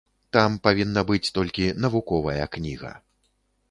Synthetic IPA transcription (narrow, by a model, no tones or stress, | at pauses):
t̪ampavʲinːɐbɨt͡sʲt̪ɔlʲkʲinɐvukɔvɐjɐknʲiɣɐ̰